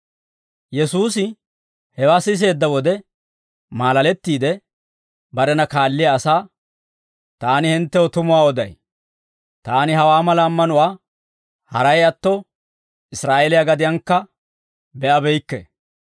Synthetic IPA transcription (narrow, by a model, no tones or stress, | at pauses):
jɛsuːsɪ | hɛwaːsɪs̬e̞ːd̪ːɐwɔd̪ɛ | maːlɐlɛt̪ːiːd̪ɛ | bɐɾɛnɐkaːlːɪjɐːsaː | t̪aːnɪhɪnt̪ːɛwɔt̪ʊmʊwaːɔd̪ɐ̰j | t̪aːnɪɦɐwaːmɐlaːmːɐnʊwaː | hɐɾɐjɐt̪ːɔ | ɪsɾaːelɪjaɡɐd̪ɪjɐŋkːɐ | bɛʔɐbɛjkːɛ̰